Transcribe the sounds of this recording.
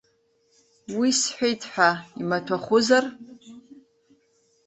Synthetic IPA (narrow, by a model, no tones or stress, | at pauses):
wisħʷᶣejtʰħʷᶣaimatʰaχʷʊzar